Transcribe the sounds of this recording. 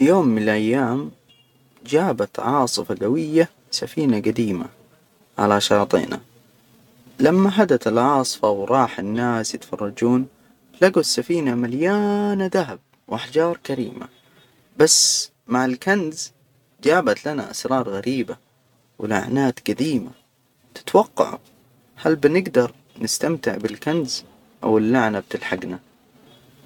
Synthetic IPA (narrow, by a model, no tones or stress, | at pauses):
fijoːmːɪnɪlʔajːaːm | d͡ʒaːbat̪ʕɑːsˤɨfaɡawɪjːa | safiːnaɡad̪iːma̰ | ʕa̰laʃɑːt̪ˤḭːna̰ | lamːaɦad̪at̪ɪlʕɑːsˤɨ̥fɑwɾˤɑːħɪnːaːsjɪt̪fɑ̰rˤːɑd͡ʒuːn | laɡusːafiːnamaljaːnaðaɦab̚ | wʔaħd͡ʒɑːɾˤkaɾḭːmʔa̰ | basː | maʕɪlkanz | d͡ʒaːbat̪lana̰ʔa̰sɾˤɑːɾˤɣaɾiːba | wɪ̰la̰ʕnaːt̪ɡ̥ad̪iːma̰ | t̪ɪ̥t̪wɑqːɑ̰ʕ̰ | halbɪnɪɡd̪ɑɾˤ | nɪst̪amt̪ɪʕbɪlkanz | ʔa̰wɪlːaʕnab̚t̪ɪlħaɡna